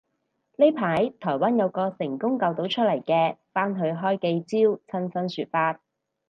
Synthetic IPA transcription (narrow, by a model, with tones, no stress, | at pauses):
le˥jpʰaː˨˥jt̪ʰɔː˨˩jwaː˥njɐ˨˧wkɔː˧sɪ˨˩ŋkʊ˥ŋkɐ˨˧wt̪o˨˥wt͡ʃʰɵ˥t̚lɐ˨˩jkɛː˧faː˥nɦɵ˨˧ɥɦɔː˥jke˧jt͡siː˥wt͡sʰɐ˥nsɐ˥nsyː˨t̚faː˧t̚